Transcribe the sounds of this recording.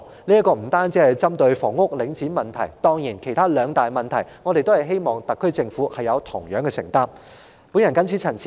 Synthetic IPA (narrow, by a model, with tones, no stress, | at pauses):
liː˥ɐ˥kɔː˧m̩˨˩t̪aː˥nt͡siː˨˥hɐ˨˩jt͡sɐ˥mt̪ɵ˧ɥfɔː˨˩ŋːʊ˥k̚lɪ˨˧˥ŋt͡siː˨˥nmɐ˨˩nt̪ʰɐ˨˩jt̪ɔː˥ŋjiː˨˩nkʰe˨˩jt̪ʰaː˥lœː˨˧ŋt̪aː˨jmɐ˨nt̪ʰɐ˨˩jŋɔː˨˧ɾe˨jt̪o˥hɐ˨˩jɦe˥jmɔː˨ŋt̪ɐ˨kʰːɵ˥ɥt͡sɪ˧ŋfuː˨˥hɐ˨jɐ˨˧wt̪ʰʊ˨˩ŋjœː˨˥ŋkɛː˧sɪ̰˨˩ŋt̪aː˥m | puː˨˥njɐ˨˩nkɐ˥nt͡sʰiː˨˥t͡sʰɐ˨˩nt͡sʰː